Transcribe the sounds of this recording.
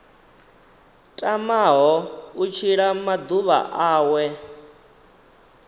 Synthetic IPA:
tʼamaɦɔut͡ʃʰiɺamad̪uβa̰ʔaːwɛ

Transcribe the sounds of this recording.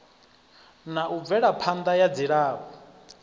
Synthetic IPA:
naʔuvɛɺapʰand̪ajad͡ziɺaːβɔ

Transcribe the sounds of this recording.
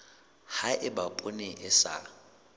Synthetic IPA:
haʔɪbapʼʊnɪʔɪsa̰

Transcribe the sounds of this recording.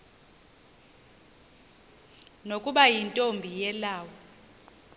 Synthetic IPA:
nokʼuɓajintʼombʱijɛlaːwɔ

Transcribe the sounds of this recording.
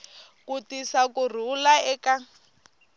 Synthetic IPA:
kutisakur̤ulaɛka

